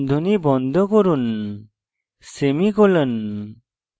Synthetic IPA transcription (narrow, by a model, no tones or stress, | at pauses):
d̪ʱɔnibɔnd̪ʱɔkɔɾun | semikɔlən